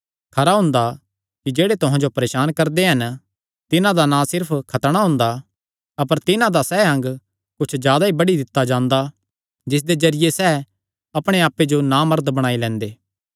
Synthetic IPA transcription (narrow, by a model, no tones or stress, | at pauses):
kʰɐɾaɦʊ̃ːnd̪a | kid͡ʒeːɽet̪ʊɦãd͡ʒopɐɾeːʃaːnkɐɾd̪eɦɐn | t̪ɪnãd̪anãsɪɾpʰkʰɐt̪ɽ̃aɦʊ̃nd̪a | ɐpəɾt̪ɪnãd̪asɛːɦɐ̃ŋɡ | kʊt͡ʃʰzjaːd̪aɦibɐɽid̪ɪt̪ːad͡ʒãːnd̪a | d͡ʒɪs̬d̪ed͡ʒɐɾɪjesɛː | ɐpɽ̃eaːpːed͡ʒonamɐɾd̪bɐɽ̃aːilɛ̃ːnd̪eː